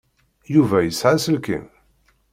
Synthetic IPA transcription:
juvæjəsʕasəlkḭm

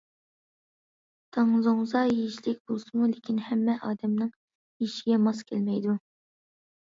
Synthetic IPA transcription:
t̪ʰɑŋzoŋzɑjeʃlɪk̚ʲbolˠsɨmulɪkʲʰinhɛmːɛʔɑːd̪ɛmnɨŋ | iʃiɡʲɛmɑskʲʰɛlmɛjd̪u

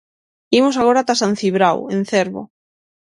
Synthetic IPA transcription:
imosaɣoɾat̪asan̟θiβɾawẽn̟θeɾβo̰

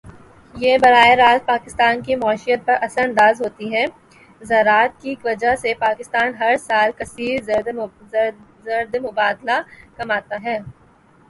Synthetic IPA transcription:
jebɐɾaːeɾaːt̪̚paːkɪst̪aːnkimɔːʃijət̪̚pɐɾʔɐsəɾɐ̃nd̪aːzɦoːt̪iɦɛː | zɐɾaːt̪̚kikʋɐd͡ʒasepaːkɪst̪aːnɦɐɾsaːlkɐsiːɾ | zɐɾd̪emʊbaːd̪lakɐmaːt̪aɦɛː

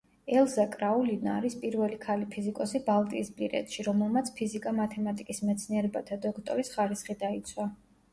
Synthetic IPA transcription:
ɛlˠzakʼɾaulina̰ɾispʼiɾvɛlikʰalipʰizikʼɔsibalˠt̪ʼiːspʼiɾɛ̰t̪ʃiɾɔmɛlˠmat̪sʰpʰizikʼamat̪ʰɛmat̪ʼikʼismɛt̪sʰniɛɾɛbat̪ʰad̪ɔkʰt̪ʼɔɾisχaɾisχid̪ait̪sʰwa

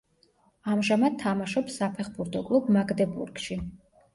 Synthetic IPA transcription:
amʒamad̪̚t̪ʰːamaʃɔpsːapʰɛχbuɾt̪ʰɔkʼlˠubmaɡd̪ɛbṵɾɡʃi

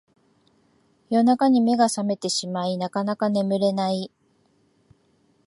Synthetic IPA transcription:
jo̞nakaɲ̟ime̞ɡasame̞t̪e̞ɕimainakanakane̞mɯ̟ɾe̞nai

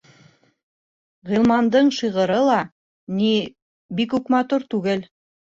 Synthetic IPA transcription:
ʁilˠmɑnd̪ɤɴʃiʁɤ̆ɾɤlˠɑ | ni | bikʉkmɑt̪uɾt̪ʉɡɘl

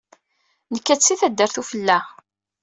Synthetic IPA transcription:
nəkːæt͡sːiθæd̪ːəɾθufəlːæ

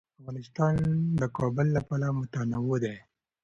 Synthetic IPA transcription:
afɣɑnɪst̪ɑnd̪əkɑbəlːapɑlamʊt̪anawod̪e

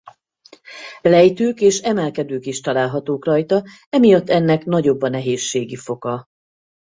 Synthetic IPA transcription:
lɛjt̪øːkeːʃɛmɛlkɛd̪øːkiʃt̪ɒlaːlɦɒt̪oːkrɒjt̪ɒ | ɛmijɒt̪ːɛnːɛkn̪ɒɟo̞bːɒnɛɦeːʃːeːɡifo̞kɒ

